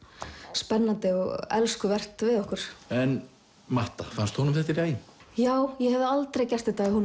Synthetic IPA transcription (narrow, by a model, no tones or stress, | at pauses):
spɛnːant̪ɪɔɣɛ̰lskʏvɛr̥t̪vɪðɔhkʏɾ̥ɛn | maht̪a̰fanst̪hunʏmθɛht̪ːɪɾaːjɪjaːwjɛhɛvðɪalt̪ɾejcɛst̪ɪt̪ahun